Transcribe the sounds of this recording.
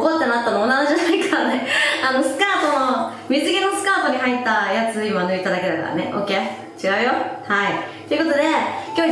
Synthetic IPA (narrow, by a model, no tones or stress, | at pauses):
kot̪ːenat̪ːanoonːanoʑanaikʰaɾaneano̞sɨ̥kaːt̪o̞no | mʲizɨɡʲino̞sɨ̥kaːt̪o̞ɲ̟iɦait̪ːajat͡sɨimanɯit̪ad̪ake̞d̪aka̰ɾa̰nḛʔo̞̰ke | t͡ɕiɡaɯ̟jo̞hait̪ːeiɯ̟ko̞t̪od̪e̞kʲo